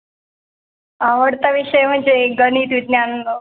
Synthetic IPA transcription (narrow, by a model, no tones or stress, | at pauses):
aʋəɽt̪aʋiɕəjm̤əɳd͡ʑeɡəniːt̪ʋid̪njanənd̪o